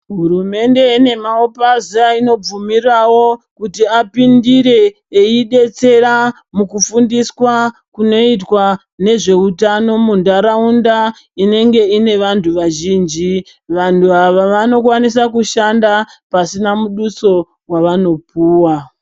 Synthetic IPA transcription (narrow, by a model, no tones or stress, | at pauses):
ɦurume̞nde̞ine̞maopaziaino̞b͡vumirawo̞kutiapindiɾe̞ː | iɗe̞t͡se̞ɾa | mukufundiswakuno̞itwa | ne̞ʐe̞utano̞mundaɾaunda | ine̞ŋɡe̞ine̞ʋantʰuʋaʒiːnd͡ʒi | ʋantuaʋaʋano̞kwanis̬akuʃandapasinamuɗuso̞ | rwaʋano̞puːwa